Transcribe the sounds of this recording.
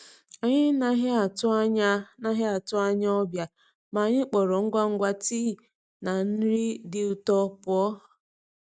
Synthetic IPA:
a˨ɲɪ˦na˦ɦa˨tʊ˦a˦ɲa˦na˦ɦɪ˦a˨tʊ˦a˦ɲa˦ɔ˦bja˨ | ma˨ɲɪ˦k͡pɔ˨ɾɔ˨ŋ̩˦ɡʷa˦ŋ̩˦ɡʷa˦tiː˦˨ | na˨n̩˦ɾi˦dɪ˨ʊ˨tɔ˦pʊ˨ɔ˦˨

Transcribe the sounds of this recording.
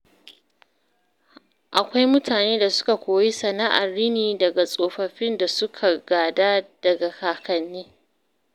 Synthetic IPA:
ʔa˨kʷa˦jmʊ˦tʰaː˨neː˦da˨sʊ̥˦ka˨kʷoː˨ji˦sɐ˨na˦ʔa̰˨rːi˦niː˨dɐ˨ɡa˨sʼoː˨ɸɐ˨ɸɪ˦nda˨sʊ˦kʰa˨ɡaː˨daː˦d̥ɐ˨ɡa˨kaː˨kɐ˨nːeː˦

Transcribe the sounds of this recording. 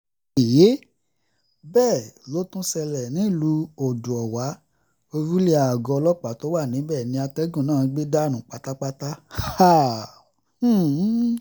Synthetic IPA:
je˨˦ | bɛː˦˨jo˨˦tũ˦sɛ˧lɛ˨nĩ˨˦˨lu˧˦o˨dũ˨ɔ˨wa˨˦ | o˧ɾu˦le˦a˨ɡɔ˧lɔ˦k͡pa˨˦˨to˨˦wa˦˨nĩ˨˦bɛ˦˨nĩ˧˦a˧tɛ˦ɡũ˦˨nãː˦˨˧ɡ͡be˦da˦˨nũ˨k͡pa˨˦ta˦k͡pa˦ta˦a˦˨˦

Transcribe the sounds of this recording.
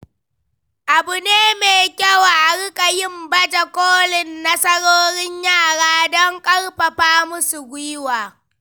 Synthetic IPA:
ʔa˨bʊ˨neː˦meː˨kʲɐ˦wa˨ʔa˨ɽʊ˦kʼa˨jɪ˦mbɐ˦d͡ʒa˨kʷoː˦lɪ˨nːɐ˦sɐ˦ɽoː˦ɾɪ˦ɲjaː˦˨ɽaː˦dɔ˦ŋkʼɐ˦ɽɸɐ˨ɸaː˦mʊ˦su˨ɡʷɪ˦waː˨

